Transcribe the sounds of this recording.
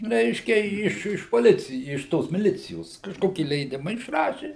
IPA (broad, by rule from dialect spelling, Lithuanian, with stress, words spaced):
ˈrʲɛɪʃʲkʲɛ ɪʃ ɪʃ poːˈlʲɪt͡sʲɪj ɪʃ ˈtoːs mʲɪˈlʲɪt͡sʲɪjoːs kɐʃˈkoːkʲɪ lʲɛɪˈdʲɪmɐ ɪʃˈrɑːʃʲɪ